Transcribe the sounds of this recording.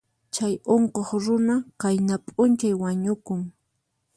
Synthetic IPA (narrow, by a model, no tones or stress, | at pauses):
t͡ʃajoɴqoχɾʊnaqajnapʼʊnt͡ʃajwaɲʊkʊŋ